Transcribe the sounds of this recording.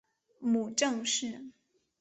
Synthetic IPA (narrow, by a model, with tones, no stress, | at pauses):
mu˨˩ʈ͡ʂɤ˥˧ŋʂɻ̩˥˩